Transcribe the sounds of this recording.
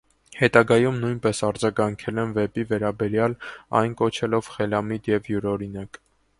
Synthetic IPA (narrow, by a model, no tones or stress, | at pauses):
hɛt̪ɑɡɑjumnujnpɛsɑɾd͡zɑɡɑŋkʰɛlɛnvɛpivɛɾɑbɛɾjɑlɑ̰jnkɔt͡ʃʰɛlɔvχɛlɑmid̪jɛvjuɾɔɾinɑk